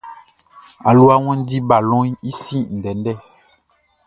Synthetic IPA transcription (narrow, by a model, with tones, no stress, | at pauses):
a˨lu˦a˦wɛ̃˦n˦di˦ba˨lɔ̃˦ji˦si˦˨n̩˨dɛ˨˦n˦dɛ˦˨